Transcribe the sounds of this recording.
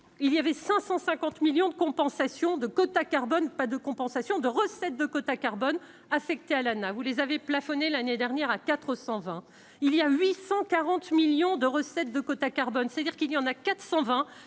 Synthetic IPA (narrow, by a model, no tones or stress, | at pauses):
iljavɛsɛ̃sɑ̃sɛ̃kɑ̃t̪miljɔ̃d̪əkɔ̃pɑ̃sasjɔ̃d̪əkot̪akaʁbɔnpad̪əkɔ̃pɑ̃sasjɔ̃d̪əʁəsɛt̪̚d̪əkot̪akaʁbɔn | afɛk̚t̪ealanavulezaveplafɔnelaned̪ɛʁnjɛʁakat̪χəsɑ̃vɛ̃ | ilijaɥisɑ̃kaʁɑ̃t̪miljɔ̃d̪əʁəsɛt̪̚d̪əkot̪akaʁbɔnse̥t̪ad̪iʁkiljɑ̃nakat̪χsɑ̃vɛ̃